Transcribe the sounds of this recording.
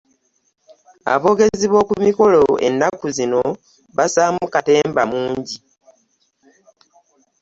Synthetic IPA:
a̰βo̞ɡe̞ziβwo̞ːkumiko̞lo̞e̞̰nːakuzino̞ | βasaːmukate̞ːmbamuːɲɟi

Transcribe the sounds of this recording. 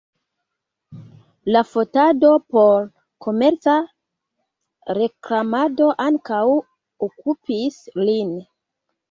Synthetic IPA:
lafo̞tado̞po̞ɾ | kʰo̞me̞ɾt͡sa | ɾe̞klamado̞ʔaŋkaw | okupislin

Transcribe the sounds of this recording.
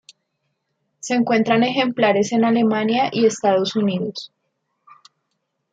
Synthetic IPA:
seːŋkwe̞nt̪ɾane̞xe̞mplaɾe̞se̞nale̞manjaʔie̞st̪aðo̞suniðo̞s

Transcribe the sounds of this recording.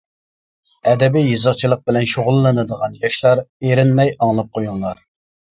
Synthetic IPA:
ɛd̪ɛbijjɨzəqt͡ʃʰilˠəq̚bɪlɛnʃoʁʊlˠːɨnɨd̪əʁɑnjɑʃlˠɑɾeɾɪnmɛjɑŋlˠɑp̚qʰojuŋlˠɑɾ

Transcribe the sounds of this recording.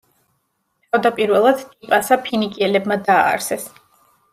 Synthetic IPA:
t̪ʰavd̪apʼiɾvɛlˠad̪t̪ʼipʼasapʰinikʼiɛlɛbmad̪a̰ːɾsɛs

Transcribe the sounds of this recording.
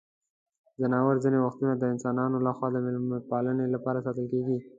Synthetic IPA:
zanɑwəɾzinewaxt̪unad̪əɪnsɑnɑnolaxwɑd̪əmɪlmapɑlənelapɑɾasɑt̪əlkeɡi

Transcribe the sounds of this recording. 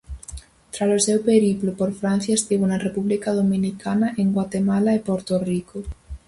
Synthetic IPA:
t̪ɾasosewpeɾiplopoɾfɾan̟θjaest̪iβunarepuβlikaðomĩnikʰanaʔeŋɡwat̪emalaepoɾt̪oriko

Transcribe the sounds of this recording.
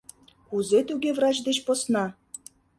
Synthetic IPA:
kuzet̪uɣevrɑt͡ɕd̪et͡ɕposnɑ

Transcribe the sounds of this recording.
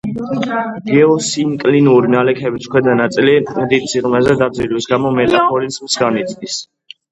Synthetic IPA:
ɡ̥ɛɔsinkʼlinuɾinalɛkʰɛbiskʰwɛd̪anat̪sʼilimd̪it̪ʼsʰiʁmɛzɛd̪ad̪zilwisɡamɔmɛt̪ʼaapʰɔɾismsɡanit̪sʼnis

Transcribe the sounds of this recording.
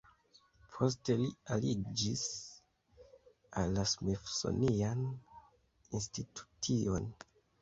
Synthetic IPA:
pʰo̞s̬te̞lialid͡ʒis | alːasmifso̰nian | institʰu̥tʰio̞n

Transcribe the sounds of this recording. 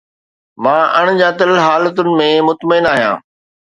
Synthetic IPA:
mãːʔɐɽ̃d͡ʑaːt̪əlɦaːlət̪ʊnɪ̆mẽmʊt̪məɪnaːɦijã̰ː

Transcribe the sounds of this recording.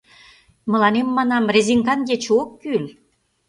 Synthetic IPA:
mə̆lɑnemːɑnɑmreziŋkɑnɡet͡ɕokːyl

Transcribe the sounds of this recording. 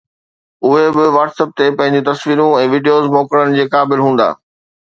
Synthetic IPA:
ʊɦebɪʋaːʈsəp̚t̪epɐ̃ɦɪ̃ɲd͡ʑũt̪ɐsʋiːɾũɛ̃ːʋiːɖijoːzmoːkəɽənɪ̆d͡ʑeːkaːbɪlɦũːn̆d̪a̰ː

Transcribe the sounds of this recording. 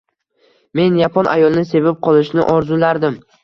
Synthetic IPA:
me̞njapʰɒnʔa̰jɒlˠnɪse̞vɪp̚qʰɒlˠɪʃnɪ̰ʔɒɾzʊlaɾd̪ɪm

